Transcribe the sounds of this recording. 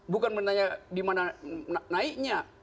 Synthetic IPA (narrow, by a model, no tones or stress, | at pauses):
bukanpənt̪aɲadimananaik̚ɲa